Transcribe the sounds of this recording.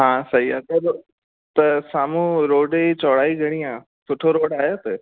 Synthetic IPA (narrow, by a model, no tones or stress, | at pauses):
ɦãːsɐɦiaːt̪ɐɾ | t̪ɐsaːmũɾoːɖeit͡ɕɔːɽaːiɡʱɐɽ̃iãː | sʊʈʰoɾoːɽaːɦjet̪e